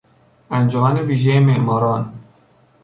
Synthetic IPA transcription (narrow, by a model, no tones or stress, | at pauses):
ʔænd͡ʒɒmæneviːʒejemeʔmɒːɾɒːn